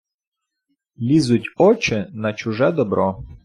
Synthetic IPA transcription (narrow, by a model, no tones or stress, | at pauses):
lʲizʊtʲɔt͡ʃɪnɐt͡ʃʊʒɛd̪ɔbɾʔɔ